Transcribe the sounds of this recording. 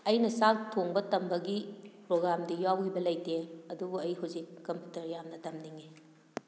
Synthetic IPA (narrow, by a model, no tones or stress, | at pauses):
ɐjnɐsaltʰoŋbɐtɐmbɐɡipɾoɡɾamdijawɦibɐlɐjteɐdubuɐjɦuwzikːɐmpjutɐɾjamnɐtɐmdiŋe